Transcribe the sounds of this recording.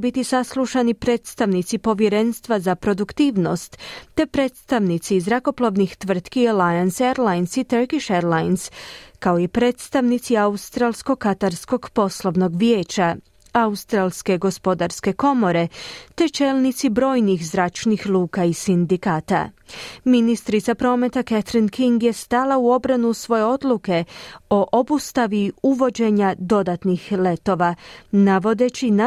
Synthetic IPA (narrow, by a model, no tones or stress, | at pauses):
bit̪isaslˠuʃanipɾe̞ːt̪st̪aʋnit̪sipo̞ʋjeɾe̞nst̪ʋazapɾo̞d̪ukt̪iːʋno̞st̪ːe̞pɾe̞ːt̪st̪aʋnit̪sizɾako̞plˠoʋnixt̪ʋr̩t̪kialajanseɾlajnsit̪əɾkiʃeɾlajnskaoipɾe̞ːt̪st̪aʋnit̪siaust̪ɾalˠsko̞kat̪aɾsko̞ɡpo̞slˠo̞ʋno̞ɡʋjeːt͡ʃa | aust̪ɾalske̞ɡo̞spo̞d̪aɾske̞ko̞mo̞ɾe̞t̪e̞t͡ʃe̞ːlˠnit̪sibɾo̞ːjnixzɾat͡ʃnixlˠuːkaisind̪ikaːt̪a̰minist̪ɾit̪sapɾo̞ːme̞t̪aket̪ɾinkiŋɡje̞st̪alauo̞bɾanusʋo̞je̞o̞d̪luke̞o̞ʔobust̪aʋiuʋo̞d͡ʑe̞ɲad̪o̞d̪at̪nixle̞t̪o̞ʋanaʋo̞d̪e̞t͡ʃina